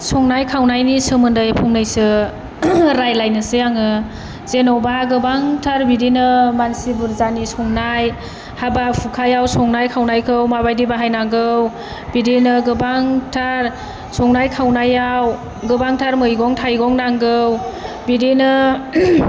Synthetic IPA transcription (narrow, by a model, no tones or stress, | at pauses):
sɔŋnajkʰawnajnisɯmɯndɯjpʰuŋnɯjsɯ | ɾajlajnɯsɯjaŋɯ | zenɔwbaɡɯbaŋtʰaɾbidinɯmansibɯɾzanisɔŋnaj | habapʰukʰajawsɔŋnajkʰawnajkʰɯwmabajdibaɦajnaŋɡɯw | bidinɯɡɯbaŋtʰaɾ | sɔŋnajkʰawnajaw | ɡɯbaŋtʰaɾmɯjɡɔŋtʰajɡɔŋnaŋɡɯw | bidinɯ